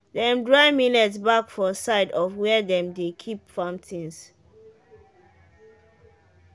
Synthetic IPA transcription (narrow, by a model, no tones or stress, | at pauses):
dɛ̃mdɹaɪminɛtsbakfɔsaɪdɔfwɛdɛ̃mdekʰipfãmtʰĩns